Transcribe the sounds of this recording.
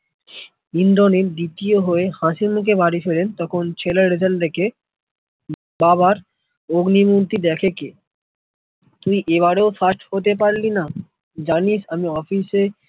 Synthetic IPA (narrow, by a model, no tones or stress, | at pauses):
ind̪ɾoniɾd̪it̪ioɦoehãʃiɾmuk̬ebaɾifʰelent̪ɔkʰont͡ɕʰeleɾed͡ʑald̪ekʰe | baβaɾ | oɡnimuɾt̪id̪ɛkʰeke | t̪uiʔeβaɾeofasʈhot̪̬ep̬aɾlina | d͡ʑaniʃamiɔfise